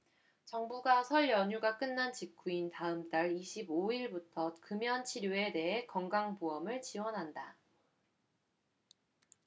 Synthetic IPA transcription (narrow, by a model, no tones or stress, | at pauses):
t͡ɕʌŋbuɡasʰʌɭjʌɲuɡak͈ɯnːant͡ɕik͈ʰuintaɯmt͈aɾiɕʰiboiɭbutʰʌkɯmjʌnt͡ɕʰiɾjoe̞de̞ɦe̞kʌŋɡaŋbuʌmɯɭt͡ɕiwʌnɦanda